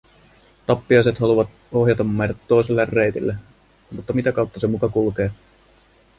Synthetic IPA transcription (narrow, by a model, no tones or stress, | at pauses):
t̪ɑpːiɑjse̞t̪hɑluʋɑt̪ | o̞ɦjɑt̪ɑmːɑjtɑt̪ːo̞jselːɑrːejt̪ḭlːæ | mut̪ːɑmit̪ækɑwt̪ːɑse̞mukɑkulke̞ː